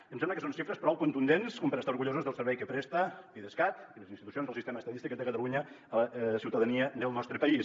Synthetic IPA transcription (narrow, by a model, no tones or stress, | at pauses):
əmsɛmləkəsonʃifɾəspɾɔwkunt̪und̪enskɔmpəɾəst̪auɾɣuʎozəzðəlˠsəɾβɛjkəpɾɛst̪əpiðəskat̪iləzint̪it̪uionzðəlsist̪eməst̪ət̪ist̪ikːəd̪əkət̪əluɲə | əsiwt̪əðəniəd̪əlˠnɔst̪ɾəpəis